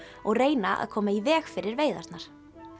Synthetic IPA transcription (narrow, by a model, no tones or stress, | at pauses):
ɔɣreːjnaʔa̰ðkʰɔːmaivɛːxfɪɾɪɾveːjða̰st̪naɾ̥